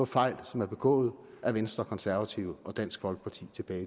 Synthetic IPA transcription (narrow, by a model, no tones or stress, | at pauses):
ɒfɑ̈ɪ̰lsɒ̽mæɐb̥e̝ɡ̥ɔ̰̽ːð̞̩ˠ | ʔæɐʋensd̥ʁɐkʰɒ̽nsæɐʋæt͡sʰiʊəʔɒ̽d̥æn̰sɡ̥fɒ̽lɡ̥ə̥pʰɑ̈t͡sʰḭːt͡sʰe̝b̥ɛːɪ